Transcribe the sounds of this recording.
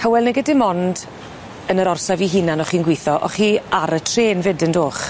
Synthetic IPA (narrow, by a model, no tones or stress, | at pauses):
kʰəwɛlˠnɛɡədɪmɔnd | ənəɾɔrsaviɦinanɔχiːnɡwɪjθɔʔɔ̰χiːaɾətʰreːnvɪdəndoːχ